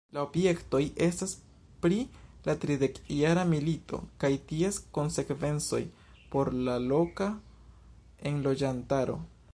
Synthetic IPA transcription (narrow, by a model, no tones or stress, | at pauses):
laobje̞kto̞jʔe̞stas | pɾilatɾide̞kiaɾamilito̞̰kajtiesko̞nse̞kve̞nt͡so̞̰j | po̞ɾlalo̞ka | e̞nlo̞d͡ʒantaɾo̞̰